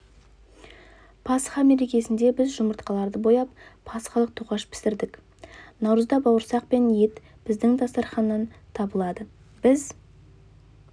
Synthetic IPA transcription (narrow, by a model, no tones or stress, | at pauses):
pʰɑsχɑme̞ɾe̞kʲe̞sɪnd̪e̞bɪzʒʊməɾt̪qɑlˠɑɾd̪əbo̞jɑppʰɑsχɑlˠəq̚t̪ʰuʁɑʃpʰɪ̥sɪɾd̪ɪk | nɑwɾəzd̪ɑbɑwəɾsɑq̚pe̞nje̞t̪ | b̥ɪzd̪ɪŋd̪ɑst̪ɑɾχɑnːɑnt̪ʰɑbəlˠɑd̪ə | b̥ɪz